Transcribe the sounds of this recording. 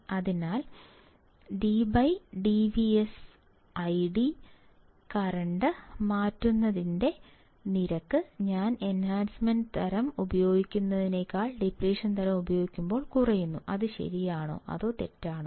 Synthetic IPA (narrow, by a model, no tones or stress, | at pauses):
ɐðinaːl | ɖibɐjɖiʋies | ɐjɖi | kɐrɐɳɖɨmaːtːunːɐðinde̞ | niɾɐkːɨɲaːne̞nhaːnsmɐnɖɨt̪ʰɐɾɐmubɐjo̞ːɡikʲːunːɐðine̞ːkːaːɭɖipɾeːʂɐnt̪ʰɐɾɐmubɐjo̞ːɡikʲːumbo̞ːɭkurɐjunːuʔɐðɨɕɐ̰ɾijaːɳo̰ːʔɐ̰ðo̞ːt̪e̞̰tːaːɳoː